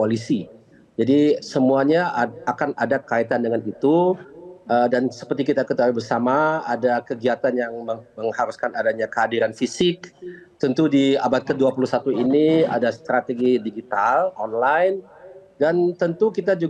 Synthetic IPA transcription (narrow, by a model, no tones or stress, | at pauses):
polisi | d͡ʒadisəmuaɲaakanadakait̪andəŋanit̪u | ədansə̥pərt̪ikit̪akət̪awibərsamaadakəɡiat̪anjaŋməməŋhaɾuskanadaɲakəɦadiɾanfisɪkt̪ənt̪udiabat̪̚kəduapulusat̪uinia̰dast̪ɾat̪eɡidiɡit̪alɔnlajn | dant̪ənt̪ukit̪ad͡ʒu